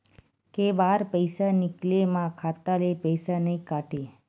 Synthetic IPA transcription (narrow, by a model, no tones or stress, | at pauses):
kebaɾpəjsanɪklemãkʰat̪alepəjsanəĩkaʈe